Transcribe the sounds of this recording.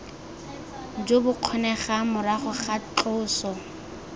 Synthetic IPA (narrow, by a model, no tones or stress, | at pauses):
d͡ʒobʊq͡χʰɔnɛχamʊraχʊχat͡ɬʊːsɔ